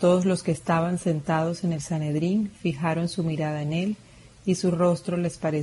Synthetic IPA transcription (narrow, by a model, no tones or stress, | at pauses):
t̪o̞ðo̞zlo̞ske̞ːst̪aβanse̞nt̪að̞o̞se̞ne̞lsane̞ðɾinfixaɾo̞nsumiɾað̞aene̞l | isuro̞st̪ɾo̞le̞spaɾe